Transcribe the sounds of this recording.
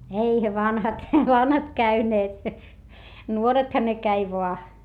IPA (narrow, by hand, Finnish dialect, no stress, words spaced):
eihæ ʋɑnhɑt ʋɑnhɑt kæyneːt nuorethɑ ne kæi ʋoɑ